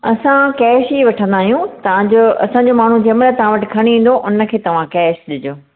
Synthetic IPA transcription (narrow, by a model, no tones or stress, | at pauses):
ɐsãkɛːʃiːʋɐʈʰə̃nd̪aːɦijũt̪ɐãd͡ʑoɐ̰sãɲd͡ʑoːmaːɳ̤ũd͡ʑɐmlət̪ɐʋ̤ãʋɐʈɪ̆kʰɐɽ̃ĩːn̆d̪oʔʊnə̆kʰeːt̪ɐʋ̤ãkɛːʃɗɪd͡ʑoː